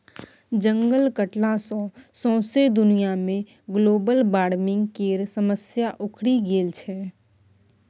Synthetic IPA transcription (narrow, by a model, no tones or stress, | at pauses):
d͡ʒə̃ŋɡəlkəʈlãsɔ̃ːsɔ̃ːsed̪ʊnijamẽ | ɡloːbəlbaːɽmɪ̃ŋɡkeːɾsəməsjaʔʊkʰɽiɡeːlt͡ʃʰɛː